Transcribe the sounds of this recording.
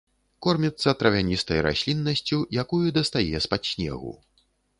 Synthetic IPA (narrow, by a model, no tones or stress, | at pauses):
kɔrmʲit̪sːɐt̪ɾɐvʲanʲist̪ɐjɾa̰sʲlʲinːɐsʲt͡sʲujakujud̪ɐst̪ajɛspat̪sʲnʲɛ̰ɣṵ